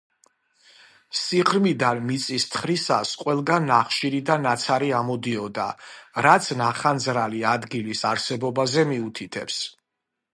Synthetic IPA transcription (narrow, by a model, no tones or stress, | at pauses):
siχɾmid̪anmit̪sʼist̪ʰχɾisasqʼwɛlˠɡanːaχʃiɾid̪anːat̪sʰaɾiamɔd̪iɔd̪a̰ɾat̪sʰnaχanzɾaliad̪ɡilisaɾsɛbɔbazɛmiut̪ʰit̪ʰɛ̰ps